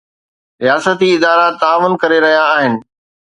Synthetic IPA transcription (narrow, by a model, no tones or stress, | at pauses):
ɾijaːsət̪iɪd̪aːɾat̪aːʋʊnkɐɾeɾɐɦijaːɦɪnɪ̆